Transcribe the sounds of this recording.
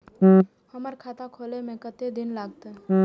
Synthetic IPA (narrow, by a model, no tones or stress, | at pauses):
həməɾkʰat̪akʰolemẽkət̪ed̪inlaːɡt̪o